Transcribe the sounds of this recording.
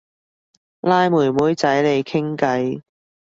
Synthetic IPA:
laː˧jmuː˨˩jmuː˨˥jt͡sɐ˨˥jle˨˧jkʰɪ˥ŋkɐ˨˥j

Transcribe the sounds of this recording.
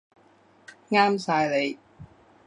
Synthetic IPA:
ŋaː˥msaː˧jle˨˧j

